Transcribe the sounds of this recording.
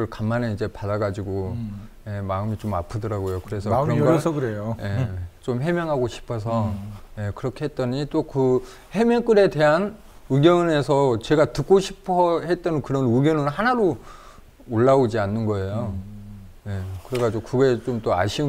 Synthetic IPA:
ɯɭkamːane̞id͡ʑe̞padaɡad͡ʑiɡoje̞maɯmit͡ɕomapʰɯdʌɾaɡojokɯɾe̞sʰʌɯɾʌŋɡʌɯɾejoje̞t͡ɕomɦe̞mjʌŋɦaɡoɕʰi̥pʰʌs̬ʰʌje̞kɯɾʌkʰe̞ɦe̞t̚t͈ʌɲit͈okɯ | he̞mjʌk͈ɯɾe̞te̞ɦan | ɯɡjʌne̞sʰʌt͡ɕe̞ɡatɯk̚k͈oɕʰi̥pʰʌhet̚t͈ʌnɯnkɯɾʌnɯɡjʌnɯnhanaɾoː | ɭːaod͡ʑianːɯnɡʌe̞jo | jekɯɾe̞ɡad͡ʑiɡokuɡe̞t͡ɕomt͈oa̰ɕʰi

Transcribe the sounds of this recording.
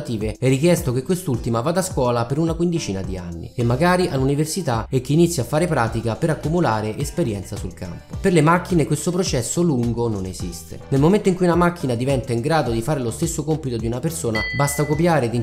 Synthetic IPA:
t̪iːveɛrːik̟jɛst̪okekːwest̪ult̪imavad̪ːaskwɔːlapeɾunakwind̪it͡ʃiːnad̪ia̰nːḭemːaɡaːɾiʔaluniversit̪aek̟ːeːnit̪sːjafːaːɾepɾaːt̪ikapeɾakːumulaːɾeʔespeɾjɛnt̪sasulka̰mpoperlemakːinekwest̪opɾot͡ʃɛsːoluŋɡononezist̪ḛnelmoment̪oiŋkujunamakːinad̪ivɛnt̪aiŋɡɾaːd̪od̪ifaːɾelost̪esːokompit̪od̪iunapersoːnabast̪akopjaːɾed̪i

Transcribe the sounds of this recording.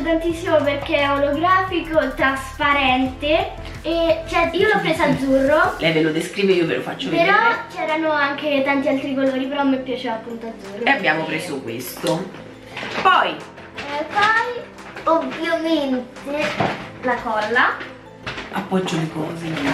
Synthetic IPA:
t̪ant̪isːimoperk̟eoloɡɾaːfikot̪ɾaspaɾɛnt̪e | et͡ʃɛiːolɔpːɾeːzoad̪zurːolɛjvelod̪eskɾiːveiːovḛlʔo̰fat͡ʃːopeɾɔt͡ʃɛːɾanoaŋket̪ant̪ialt̪ɾikoloːɾipeɾɔmːepːjat͡ʃeːvapːunt̪oad̪zurːoeabːjaːmopɾeːsokwḛst̪o | pɔj | pɔj | ovjoment̪elakɔlːa | apːɔd͡ʒːolekɔːze

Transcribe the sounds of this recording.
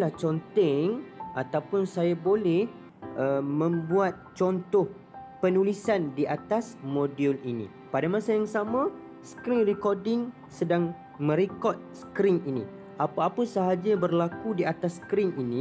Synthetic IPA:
laht͡ʃɔnt̪ɛŋat̪awpʊnsajabolɛh | əmə̃mbuat̪̚t͡ʃɔnt̪ɔh | pənulisandiʔat̪asmodiulinḭ̃ | padamãsajaŋsamã | skɾiŋrikɔrdɪŋ | sədaŋ | mə̃ɾikɔt̪̚səkɾiŋinḭ | ʔapaapəsəɦad͡ʒabərlakudiat̪asːkɾiŋinĩ

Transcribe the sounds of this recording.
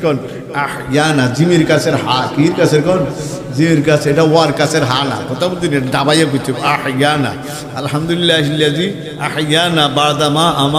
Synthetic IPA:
kɔn | aħjanad͡ʒimiɾkaseɾɦakiɾkaseɾkɔn | d͡ʒimiɾkaseʈaoaɾkaseɾɦana̰pɔt̪amd̪ineʈaɖabajakut͡ʃʰːɔkaħjana̰ | ɐlɦamd̪ulilːaɦilːad͡ʒi | aħjanabaɭd̪amaʔama

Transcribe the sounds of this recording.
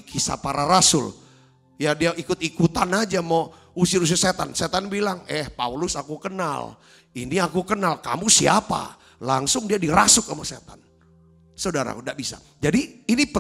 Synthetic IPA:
kʰisa̰paɾaɾasʊ̰l | jadiaikʊt̪̚ikut̪anad͡ʒamo | usiɾus̬ɪset̪anset̪anbilaŋɛhpaulʊsakukəna̰l | iniakukənalka̰musiapa̰ | laŋsʊŋdiadiɾasʊk̚amosḛt̪an | saudaɾa̰kundaʔbisa̰ | d͡ʒadiːnip

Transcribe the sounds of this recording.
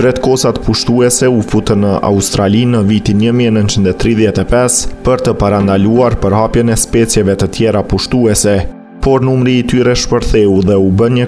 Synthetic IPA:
pɾɛt̪kɔsat̪puʃt̪uɛsɛufut̪ənːəʔa̰ust̪ɾalinəvit̪inɲəmiɛnənt͡ʃind̪ɛt̪ɾiðjɛt̪ɛpɛspəɾt̪əpaɾand̪aluaɾpəɾhapjənɛspɛsjɛvɛt̪ət̪jɛɾapuʃt̪uɛsɛ | pɔɾnumɾiːt̪yɾɛʃpəɾθɛuðɛubənɲə

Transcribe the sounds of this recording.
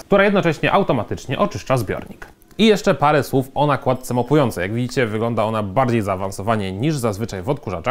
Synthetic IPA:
kt̪uɾajɛd̪nɔt͡ʂɛɕɲɛʔawt̪ɔmat̪ɘt͡ʂɲɛ̰ʔɔt͡ʂɘʂt͡ʂazbʲjɔ̰ɾɲḭk | ijɛʂt͡ʂɛpaɾɛswufɔnakwat̪̚t̪sɛmɔpujɔnt̪sɛjaɡvʲid͡ʑit͡ɕɛvɘɡlɔnd̪aɔnabaɾd͡ʑejzaːvansɔvaɲɛɲiʐzazvɘt͡ʂajvɔt̪kuʐat͡ʂax

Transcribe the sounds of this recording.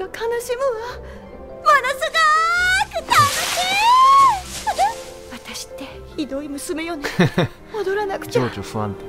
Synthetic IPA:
akʰanaɕimɯ̟ɡa | manasɨɡakɯt̪anaɕi | βat̪aɕi̥t̪ːe̞ | çid̪o̞imɯ̟sɨme̞jone | od̪o̞ɾanakɯ̥t͡ɕaoːt͡ɕoɸɯã̰nt̪

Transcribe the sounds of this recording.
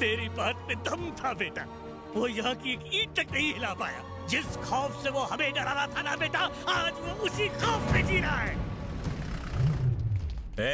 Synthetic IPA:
t̪eːɾibaːt̪̚mẽd̪ʱɐmt̪ʰabeːʈaː | ʋoːjɐɦãkieːkiːʈʈɐknɐɦĩɦɪlaːpaːja̰ː | d͡ʒɪsxɔːfseʋoɦɐmẽnɐɾaɾat̪ʰanɐbeːʈaaːd͡ʒʋoʊsixɔːfmẽd͡ʒiːɾaɦaɦɛː | ɛː

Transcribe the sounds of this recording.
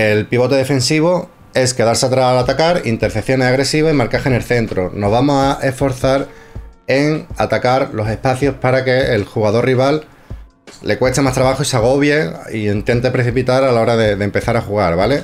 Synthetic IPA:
e̞lpiβo̞t̪e̞ðe̞fẽ̞nsiβo | e̞ske̞ðaɾseat̪ɾasalat̪akaɾḭnt̪e̞ɾθe̞θjo̞neaɣɾe̞siβaimaɾkaxene̞lθe̞nt̪ɾono̞ɦβamosaʔe̞sfo̞ɾθaɾe̞ŋat̪akaɾlo̞se̞hpaθjo̞spaɾake̞ːlxuɣaðo̞riβ̞alː | e̞kwe̞st̪e̞mast̪ɾaβaxoisaɣ̞o̞βje̞ie̞nt̪je̞nt̪epɾeθipit̪aɾalao̞ɾaðe̞ðe̞mpe̞θaɾaxuɣ̞aɾβale̞

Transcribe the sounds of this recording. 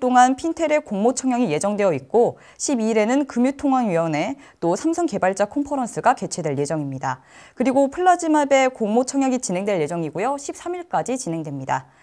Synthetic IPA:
t͈oŋanpʰintʰe̞ɾe̞koŋmot͡ɕʰʌŋjʌŋije̞d͡ʑʌŋdwe̞jʌik̚k͈o | ɕʰibiɾe̞nɯnkɯmjutʰoŋɦanɥiwʌne̞ | t͈osʰamsʰʌŋke̞baɭt͡ɕ͈akʰompʰʌɾʌns͈ʰɯɡake̞t͡ɕʰe̞dwe̞ɭje̞d͡ʑʌŋimɲida | kɯɾiɡopʰɯɭːad͡ʑimabe̞koŋmot͡ɕʰʌŋjʌŋit͡ɕinɦe̞ŋdwe̞ɭje̞d͡ʑʌŋiɡojʌɕʰip̚s͈ʰamiɭk͈ad͡ʑit͡ɕinɦe̞ŋdwe̞mɲida

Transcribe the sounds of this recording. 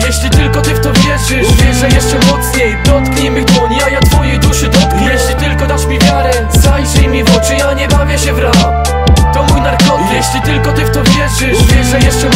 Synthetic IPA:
jɛɕlʲit̪ɘlkɔt̪ɪft̪ɔvʲjɛʐɨvʲjɛʐɛjɛʂt͡ʂɛmɔt̪sɲejd̪ɔt̪kɲɛmɘd̪wɔɲijajat̪fɔjɛjd̪uʂɨd̪ɔt̪̚kɲɛjɛɕlʲit̪ɘlkɔd̪aʂmʲivʲjaɾɛ | zajʂɛjmʲivɔt͡ʂɨjaɲɛbavʲjɛɕɛvɾa | t̪ɔmujnaɾkɔt̪jɛɕlʲit̪ɘlkɔt̪ɪft̪ɔvʲjɛʐɪvʲjɛʐɛjɛʂt͡ʂɛ

